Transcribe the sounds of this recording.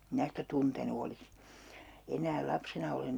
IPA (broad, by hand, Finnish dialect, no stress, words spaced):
mĭnæ sitæ tuntenu olis enæːl lɑpsenɑ olen